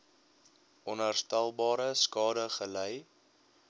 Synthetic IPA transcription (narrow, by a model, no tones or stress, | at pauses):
ʔɔnɦærstælˠbɑːɾəskɑːdəχəlɛj